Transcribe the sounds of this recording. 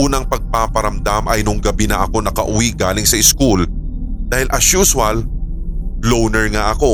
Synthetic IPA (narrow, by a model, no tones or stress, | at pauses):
uːnɐŋpɐɡ̚paːpɐɾɐmd̪amʔɐjnʊŋɡɐbinɐʔɐko̞nɐkɐʔʊwiʔɡaːlɪŋsɐɪskul | d̪aːhɪlʔɐʃuːswɐl | lownɛɹŋaʔɐko̞